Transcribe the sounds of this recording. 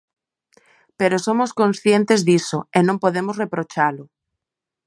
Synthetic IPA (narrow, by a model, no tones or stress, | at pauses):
peɾosomoskõnsθjẽnt̪ezðisoenõmpoðemozrepɾot͡ʃalʊ